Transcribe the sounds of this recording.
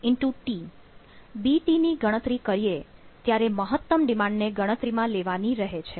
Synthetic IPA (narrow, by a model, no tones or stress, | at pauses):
ɪɳʈuʈi | biʈiniɡəɽ̃ət̪ɾikəɾijet̪jaɾeməɦət̪ːəmɖimãɳɖneɡəɽ̃ət̪ɾimãleʋaniɾəɦet͡ʃʰe